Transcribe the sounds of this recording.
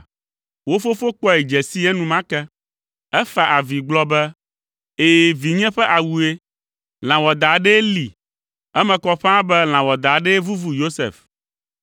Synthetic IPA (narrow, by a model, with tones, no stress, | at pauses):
wo˦fo˦fo˦k͡pɔ˦ɛ˨d͡ʒɛ˨si˦ɛ˦nũ˨mã˦kɛ˦ | ɛ˦fa˨ʔa˨vi˨ɡ͡blɔ˦bɛ˦ | e˨vi˨ɲɛ̃˦ɸɛ˦ʔa˨wu˨e˦ | l̃ã˨wɔ˨d̪a˨ɖe˦li˨ | ɛ˦mɛ̃˨kɔ˦ɸã˦bɛ˦l̃ã˨wɔ˨d̪a˨ɖɛ˦vu˦vu˦jo˦sḛ˨f